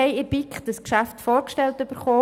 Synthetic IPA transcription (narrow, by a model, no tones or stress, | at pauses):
ɛɪɪb̥ikχd̥əskʃæftfoːɾkʃtɛltyb̥əɾχoː